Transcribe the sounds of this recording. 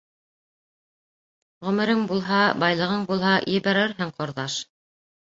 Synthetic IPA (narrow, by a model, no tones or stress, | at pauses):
ʁɵ̆mɘ̆ɾɘŋbulˠɦɑbɑjlˠɤ̆ʁɤɴbulˠɦɑjɘ̆βæɾɘɾɦɘŋqŏɾðɑʃ